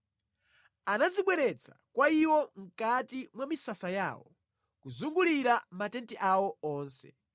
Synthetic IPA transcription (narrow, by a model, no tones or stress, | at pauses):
anaziɓwɛɾɛt͡sʰḁkwaiwɔŋ̩katimwamisasaja̰ːwɔ | kuzuŋɡuliɾamatɛntɛʔawɔɔːnsɛ̰